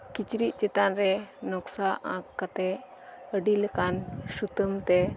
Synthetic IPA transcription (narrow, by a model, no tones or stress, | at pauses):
kit͡ʃɾiʔ̪̚ˀt͡ʃɛt̪anɾɛnɔksaʔã̰kːat̪ɛ | əɖiləkansut̪əmt̪ɛ